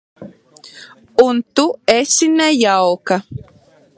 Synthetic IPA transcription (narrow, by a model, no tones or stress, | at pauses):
unt̪uesinɛjawka